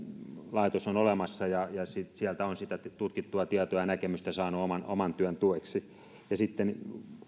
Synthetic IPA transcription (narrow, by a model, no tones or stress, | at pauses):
lɑit̪osonolemɑsːɑjɑjɑsitsiælt̪æonsit̪æt̪ut̪kit̪ːuɑt̪iæt̪oɑjɑnækemyst̪æsɑːnuomɑno̰mɑnt̪yønt̪ueksi | jɑsit̪ːen